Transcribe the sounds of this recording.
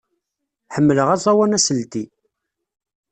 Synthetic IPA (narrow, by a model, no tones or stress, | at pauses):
ħəmːələʁæzˤɑwænæsəlt̪i